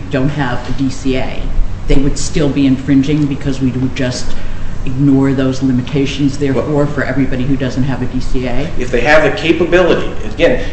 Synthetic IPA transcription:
d̥õʊ̃nt̚ɦɨvɨdisieɪðeɪwɨd̥stɪlˠbiɨ̃ɱfɹɪ̃nd͡ʒɪ̃ŋbɨkʰʌzwiɨd͡ʒʌstɨɡ̚nɔɹðoʊzlɪ̃mɨtʰeɪʃɨ̃n̩zðə˞ə˞fə˞ʔɛ̰vɹibɑɾihʉdʌz̃nt̚ɦɨvɨdisieɪɨfðeɪɨvðɨkʰeɪpəbɪlˠəɾḭɨɡɛ̃n

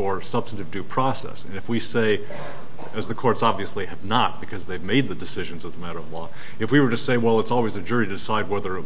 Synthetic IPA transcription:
ə˞sʌb̥stn̩tɨvdʉpʰɹ̥ɔsɛ̰sɨ̃nɨfwiseɪ | ɨzðɨkʰɔɹtsɑbviɨsliɨvnət̚b̥ɨkʰʌzðeɪvmeɪd̪̚ðɨdɨsɪʒɨ̃n̩zʌðəmæɾə˞ʌvlɔ | ɨfwiwə˞ɾɨseɪwɛlˠətsɔlˠwizɨd͡ʒʊɹiɾɨdɨsaɪd̚wɛðə˞

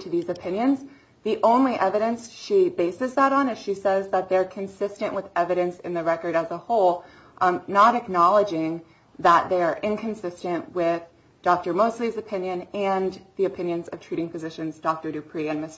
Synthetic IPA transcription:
ɾʰɨðizɨpʰɪ̃njɨ̃nz | ðiʔõʊ̃nliʔɛvɨɾɨ̃nsʃibeɪsɨzðəɾn̩ɨz̥ʃisɛzðət̪̚ðəə˞kʰɨ̃nsɪstɨ̃nʔwəðɛvɨɾɨ̃nsɨ̰̃nðɨɹɛkə˞ɾɨzəhoʊlˠ | nəɾɨknɑlˠəd͡ʒɪ̃ŋ | ðət̪̚ðeɪə˞ʔɪ̃nkʰɨ̃n̩sɪstɨ̃nʔwɪð | d̥ɔk̚tə˞moʊslizɨpʰɪ̃njɨ̃nɨ̃nðiɨpʰɪ̃njɨ̃nzʌv̥tʰɹ̥iɾɪ̃ŋfɨzɪʃɨ̃nzdɔk̚tə˞ɾɨpʰɹ̥iɨ̃nmɨs

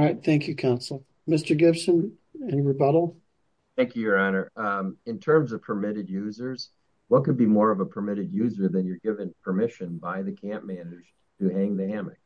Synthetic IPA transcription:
aɪt̪̚θæ̃ŋkʰjɨkʰãʊ̃nsl̩ˠ | mɪstə˞ɡɪb̥sə̃n | ɨ̃nɹɨbʌɾl̩ˠ | θæ̃ŋkʰjʉjə˞ɑnə˞ɨ̃ntʰɜ̃˞mzʌv̥pʰə˞mɪɾɨdjʉzə˞z̥ | wʌt̚kɨd̚bimɔɹʌvəpʰə˞mɪɾɨd̚jʉzə˞ðɨ̃njə˞ɡɪvɨ̃ŋpʰə˞mɪʃɨ̃nbaɪðɨkʰæ̃mmænɨəd͡ʒ̥ | tʰɨhæ̃ŋðɨhæmɨ̰k̚

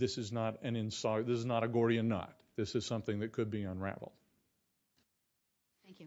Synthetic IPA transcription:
ðɪsɨznəɾɨ̃nɨ̃nsɑðɪsɨznəɾɨɡɔɹiɨ̃nːɑ̰t̪̚ðɪsɨz̥sʌ̃mθɪ̃ŋðɨt̚kʰɨd̚biə̃nɹæ̰vl̩ˠd̥

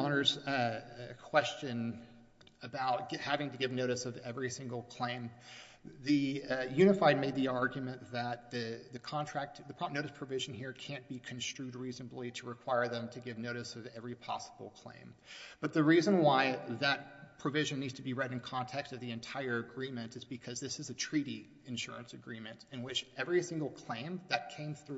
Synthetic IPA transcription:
ɑnə˞z | ɨkʰw̥ɛst͡ʃɨ̃n | ɨbaʊt̚ɡ̥hævɪ̃ŋtɨɡɪvnoʊɾɨsʌvɛvɹisɪ̃ŋɡl̩ˠkʰl̥ẽɪ̃m | ðɨjʉñɨfaɪd̚meɪd̪̚ðiɑɹɡjɨmɨ̃nðət̪̚ðɨðɨkʰɑ̃ntʰɹ̥æk̚t̚ðɨpʰɹ̥noʊɾɨspʰɹ̥ɨvɪʒ̃n̩hiɹkʰæ̃nb̥ikʰɨ̃n̩stɹ̥ʉd̚ɹiznəbliɾəɹɨkʰw̥aɪə˞ðə̃mtʰɨɡɪvnoʊɾɨsʌvɛvɹipʰɑ̰səbl̩ˠkʰl̥ḛ̃ɪ̃mb̥ʌt̪̚ðɨɹizə̃nwaɪðɨt̚pʰɹ̥ɨvɪʒɨ̃nːidz̥tʰɨbiɹɛɾn̩kʰɑ̃ntʰɛkstʌvðiɨ̃ntʰaɪə˞ɨɡɹĩmɨ̃ntɨzbɨkʰʌzðɪsɨzɨtʰɹ̥iɾi | ɨ̃nʃʊɹɨ̃nsɨɡɹĩmɨ̃ntɨ̃nwɪt͡ʃɛvɹisɪ̃ŋɡl̩ˠkʰl̥ẽɪ̃mðɨt̚kʰẽɪ̃mθɹ

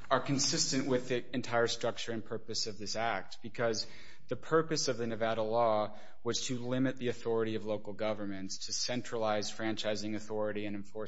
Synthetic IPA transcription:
ə˞kɨ̃nsɪstɨ̃nʔwɪðiɨ̃ntʰaɪə˞stɹ̥ʌk̚t͡ʃə˞ɨ̃npʰɜ˞pɨsʌvðɪsæk̚t̚b̥ɨkʰʌz | ðɨpʰɜ˞pɨsʌvðɨnɨvæɾəlɔ | wʌz̥tʰɨlɪ̃mɨt̪̚ðiɨθɔɹɨɾiʌvloʊkl̩ˠɡʌvə˞mɨ̃ntstʰɨsɛ̃nt͡ʃɹ̥əlaɪz̥fɹæ̃nt͡ʃaɪzɪ̃ŋɨθɔɹɨɾiɨ̃nɨ̃ɱfɔɹ

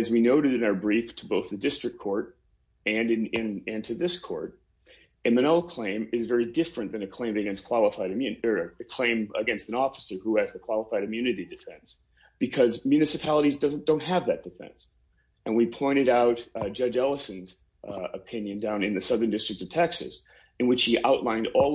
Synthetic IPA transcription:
ɨzwinoʊɾɨɾɨ̃naʊə˞bɹiftʰəboʊθðɨdɪstɹ̥ɨk̚ʰɔɹɾ | ɨ̃nɨɪ̃nɨ̃ntʰɨðɪskʰɔ̰ɹɾ̚ | ɨ̃mɨ̃ñɛlˠkʰl̥ẽɪ̃mɨzvɛɹidɪfɹɨ̃nðɨ̃nɨkʰl̥ẽɪ̃mɨɡɛ̃nskʰw̥ɑlˠəfaɪɾmjʉnə˞ɨkʰl̥ẽɪ̃mɨɡɛ̃nstɨ̃nɔfə̥sə˞huɨzðɨkʰw̥ɑlˠəfaɪɾɨmjʉnɨɾidɨfɛ̃ns | b̥ɨkʰʌzmjʉnɨsɨpʰælˠəɾizdʌz̃n̩d̥õʊ̃nt̚ɦɨvðɨt̚d̥ɨfɛ̰̃ns | ʔɨ̃nwipʰɔ̃ɪ̃ɾ̃ɨɾaʊtd̥d͡ʒʌd͡ʒɛlˠəsɨ̃nz | əpʰɪ̃njɨ̃ndãʊ̃nɨ̃nðɨsʌðə̃˞ndɪstɹ̥ɨk̚tʌv̥tʰɛksɨ̰s | ɨ̃nwɨt͡ʃhiʔa̰ʊʔˡlãɪ̃ndɔlˠ

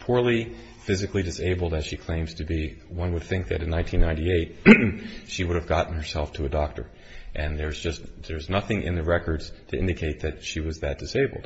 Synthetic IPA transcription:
pʰʊɹlˠi | fɪzɨklidɨseɪbl̩ˠdɨz̥ʃikʰl̥ẽɪ̃mz̥tʰɨbiwʌ̃nwəd̪̚θɪ̃ŋk̚ðɨ̰ɾɨ̃nãɪ̃ntʰĩnːãɪ̃ntieɪt̚ | ʃiwʊɾɨvɡɑʔn̩hə˞sɛlˠftʰəɨdɔk̚tʰə̰˞ | ʔɨ̃nðə˞zd͡ʒʌstðə˞znʌθɪ̃ŋʔɪ̰̃nðɨɹɛkə˞dz̥tʰɨʔɪ̰̃ndɨkʰeɪt̪̚ðɨt̚ʃiwʌzðɨt̚d̥ɨseɪbl̩ˠd̥

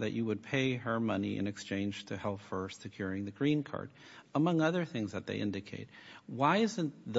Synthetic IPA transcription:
ðɨ̰t͡ʃɨwəd̚pʰeɪə˞mʌniʔɨ̰̃nɨkst͡ʃʰẽɪ̃nd͡ʒ̥tʰɨhɛlˠpfɜ˞stsɨkʰj̥ʊɹɪ̃ŋðɨɡɹĩnkʰɑ̰ɹd | əmʌ̃ŋʌðə˞θɪ̃ŋzðɨt̪̚ðḛɪʔɪ̃ndɨkʰeɪt̚waɪɪzɨ̃nðə

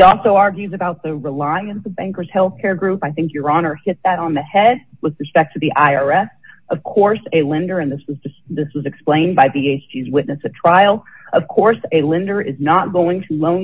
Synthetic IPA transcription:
ɔlˠsoʊɑɹɡjʉzɨbaʊt̪̚ðɨɹɪlaɪɨ̃nsʌvbæ̃ŋkə˞z̥hɛlˠθkʰɛɹɡɹʉpaɪθɪ̃ŋkjə˞ɑnə˞hɪt̪̚ðɨɾn̩ðɨhɛd̚wɨðɹɨspɛk̚tʰɨðiʔaɪɑɹɛsʔʌv̥kʰɔɹseɪlɪ̃ndə˞ɨ̃nðɪswʌzdɨsðɪswʌzɨksplẽɪ̃nbaɪvieɪsd͡ʒizwɪʔⁿnɨsɨtʰɹ̥aɪl̩ˠʔʌv̥kʰɔɹseɪlɪ̃ndə˞ʔɪznət̚ɡ̥oʊɪ̃ŋtʰəlõʊ̃n

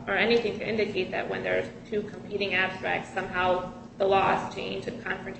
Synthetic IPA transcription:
ə˞ɛniθɪ̃ŋtʰɨʔɪ̃ndɨkʰeɪt̪̚ðɨ̰ʔ̚wə̰̃nðə̥˞tʰʉkʰə̃m̩pʰiɾɪ̃ŋæb̥stɹ̥æ̰k̚tsʌ̃mɦaʊ | ðəlɔz̥t͡ʃʰḛ̃ɪ̃nd͡ʒɨ̃nkʰɑ̃ɱfɹɨ̃ntʰ

